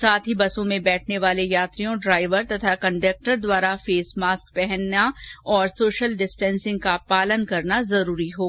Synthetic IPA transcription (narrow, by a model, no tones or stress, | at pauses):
saːt̪ʰɦibɐsõmẽbɛːʈʰneʋaːlejaːt̪ɾijõɖɾaːɪʋəɾt̪ɐt̪ʰakɐ̃ɳɖɐk̚ʈəɾd̪waːɾafeːsmaːsk̚pɛɦɛnːaɔːɾsoːʃəlɖɪsʈɛ̃ːnsɪ̃ŋɡ̚kapaːlənkɐɾnazɐɾuːɾiɦoː